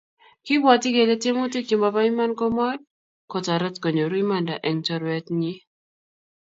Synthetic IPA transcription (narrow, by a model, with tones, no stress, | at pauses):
ki˦bwɔ˨ti˦ɡe˨le˦te˦mo˦ti˦ki˨mba˨ba˦i˦ma˦nkɔ˦mɔ˦j | kɔ˨ta˨ɾə˦tko˨ɲo˨ɾwi˦ma˦nda̰˨ʔɛ˨ŋtɔ˨ɾwɛ˨tɲi˦